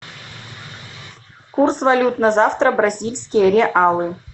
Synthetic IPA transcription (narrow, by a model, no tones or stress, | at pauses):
kursvɐlʲut̪nəzɑft̪ɾəbrɐzʲilʲsʲkʲijəɾʲeʔɑlˠɨ